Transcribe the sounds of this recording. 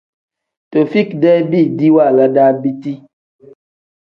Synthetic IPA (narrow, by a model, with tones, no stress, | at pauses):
to˨fi˦kdɛ˦bi˦˨di˦wa˦˨la˨da˦bi˦ti˦